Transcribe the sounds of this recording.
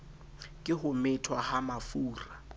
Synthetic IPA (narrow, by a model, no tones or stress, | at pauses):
kʼɪɦʊmɪtʰwahamafuːra